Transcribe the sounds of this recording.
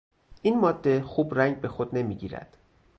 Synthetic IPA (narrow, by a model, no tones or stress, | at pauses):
ʔiːnmɒːd̪ːe̞xuːbɾæŋɟbe̞xod̪ne̞miːɟiːɾæ̰d̪̥